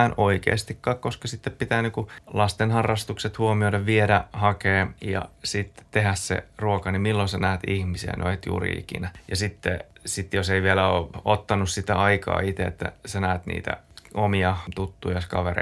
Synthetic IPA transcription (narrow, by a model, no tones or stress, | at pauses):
nʔoikḛːst̪ikːɑːkkoskɑsit̪ːeppit̪æːnikulɑst̪enhɑrːɑst̪ukset̪huomioideʋʋieɾæhɑkeːjɑ̰sit̪ːt̪ehæssḛruokɑnimilːonsɑnæːt̪ihmisiæ̰nʔo̰it̪jṵːrḭḭkḭnæjɑsit̪ːḛsit̪joseiʋielæoːot̪ːɑnussit̪æɑikɑ̰ːit̪eḛt̪ːæ̰sænæːt̪nḭːt̪æ̰omiɑt̪ut̪ːujɑskɑʋerḛ